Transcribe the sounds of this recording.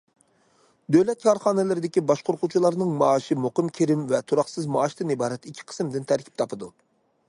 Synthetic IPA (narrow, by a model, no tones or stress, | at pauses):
d̪øwlɛt̪̚kʰɑɾχɑːnɛlɪɾɪd̪ɪkʲibɑʃqoɾqʰut͡ʃʰilˠɑɾnɨŋmɑːʃimoqəmkʲʰeɾɪmvɛt̪ʰuɾɑχsɨzmɑːʃt̪ɨnibɑːɾɛt̪ikʲʰːi̥qʰə̥smd̪ɪnt̪ʰæɾkʲi̥p̚t̪ʰɑpʰɨd̪u